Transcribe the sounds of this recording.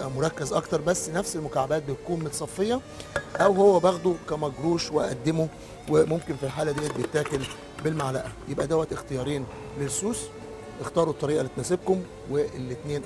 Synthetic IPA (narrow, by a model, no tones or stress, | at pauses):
ʔæmoɾˤɑkːezʔɑkt̪ɑɾˤbæsːnæfselmokaʕabæːt̪̚bet̪kuːnmot̪sˤɑfːejːɑ | ʔæwhowːæbɑɣd̪ˤokæmæɡɾuːʃweʔæ̰ʔæ̰d̪ːemo | wemomkenfilħaːlæd̪iːæt̪̚bet̪ːæːkel | belmaʕlæ̰ʔæjebʔæd̪æwːæt̪ʔext̪ejɑːɾˤiːn | lelsuːs | ʔext̪ɑːɾˤut̪ˤːɑɾiːʔɑlːit̪næseb̚kom | weʔelːet̪neːn